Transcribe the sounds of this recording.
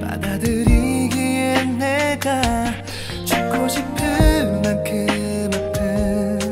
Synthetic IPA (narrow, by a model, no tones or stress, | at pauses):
pa̰dadɯɾiɡienːeɡa | t͡ɕuk͈oɕʰipkʰɯmankʰematʰɯ